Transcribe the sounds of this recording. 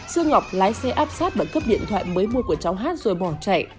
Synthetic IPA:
sɨ˧əŋːa˨˩wk͡p̚laː˨˦jsɛ˧ʔaː˦˥p̚saː˦˥t̚ɓaː˨˩kə˦˥p̚ɗḭ˧˨ənt̪ʰwa̰ː˧˨jməː˨˦jmu˧əku˧˩ət͡ɕa˨˦wɦaː˦˥t̚zo˨˩jɓɔ˧˩nt͡ɕa̰˧˨j

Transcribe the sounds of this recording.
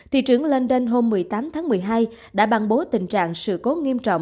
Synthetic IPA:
t̪ʰḭ˧˨t͡ɕɨ˧˩əŋle˧nɗe˧nɦo˧mːɨ˨˩əjjt̪aː˨˦mt̪ʰaː˨˦ŋmɨ˨˩əjɦaː˧j | ɗa̰ː˧˥ɓa˧˩nɓo˨˦t̪ï˨˩ŋ̟t͡ɕa̰ː˧˨ŋsɨ̰˧˨ko˨˦ŋi˧əmt͡ɕɔ̰˧˨wŋ͡m

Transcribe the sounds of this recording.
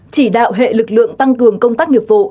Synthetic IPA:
t͡ɕi˧˩ɗa̰ː˧˨wɦḛ˧˨lɨ˨˩k̚lɨ̰˧˨əŋt̪a˧ŋkɨ˨˩əŋkə˧wŋ͡mt̪aː˦˥k̚ɲi˨˩əp̚vṵ˧˨

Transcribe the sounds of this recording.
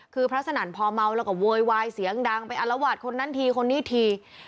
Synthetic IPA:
kʰɯː˧pʰɾa˦˥t̚sʰa˧naː˩˦npʰɔː˧ma˧wlɛː˦˥˩kɔ˧˩woː˧jwaː˧jsi˩˦əŋdaː˧ŋpa˧jʔa˧nla˧waː˨˩t̪̚kʰo˧nːa˦˥nt̪ʰiː˧kʰo˧nːiː˦˥˩t̪ʰiː˧

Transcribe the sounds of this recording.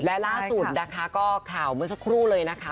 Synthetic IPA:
lɛ˦˥laː˥˩su˨˩t̪̚naː˧kʰaː˧˥kɔː˥˩kʰaː˨˩wmɯ˧˥əs̬a˧kʰɾuː˥˩lɤː˧jna˦˥kʰa˦˥

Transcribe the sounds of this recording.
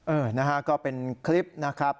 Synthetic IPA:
ʔɤː˨˩na˦˥kʰa˦˥kɔː˥˩pe˧nkʰli˦˥p̚na˦˥kʰɾa˦˥p̚

